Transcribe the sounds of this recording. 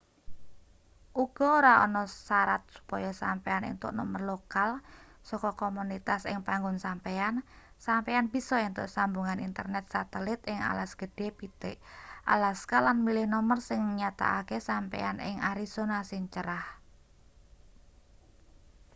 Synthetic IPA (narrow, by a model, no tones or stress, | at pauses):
ʔuɡ̥ɔoɾaɔ̰nɔsaɾa̰t̪̚su̥pɔjɔsampeanɪ̰ŋt̪ʊ̰ʔnɔmərlokal | sɔkɔkɔmunit̪asɪ̰ŋpaŋɡʊnsampean | sampeanb̥isɔɪŋt̪ʊ̰ʔsambuŋanint̪ərnɛt̪̚sat̪əlɪt̪ɪŋa̰lasɡ̥ə̤ɖ̥epit̪eʔʔa̰laskalanmilɪhnɔmərsɪŋɲat̪a̰ʔakesampḛanɪ̰ŋaɾisonasiɲt͡ʃəɾah